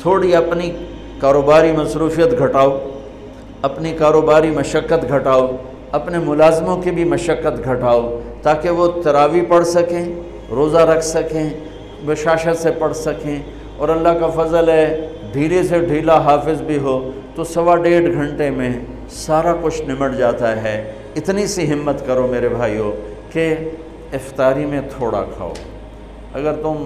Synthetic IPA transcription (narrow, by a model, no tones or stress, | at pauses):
t̪ʰoːɽiɐpni | kaːɾoːbaːɾimɐsɾuːfijət̪ɡʱɐʈaːo | ɐpnikaːɾoːbaːɾimɐʃəkːət̪ɡʱɐʈaːo | ɐpnemʊlaːzmõkebʱimɐʃəkːət̪ɡʱɐʈaːot̪aːkeʋot̪ɐɾaːʋipɐɽsɐkẽː | ɾoːzaɾɐkʰsɐkẽ | bɐʃaːʃət̪sepɐɽsɐkẽː | ɔːɾɐlːaɦkafɐzəlɦɛ | ɖʱiːleseɖʱiːlaɦaːfɪzbʱiɦoː | t̪osɐʋaɖeːɖɡʱɐ̃ɳʈemẽ | saːɾakʊt͡ʃʰnɪməʈd͡ʒaːt̪aɦɛː | ɪt̪nisiɦɪmːət̪kɐɾomeːɾebʱaːioː | ke | ɪft̪aːɾimẽt̪ʰoːɽa̰kʰa̰ːo̰ː | ɐɡəɾt̪ʊm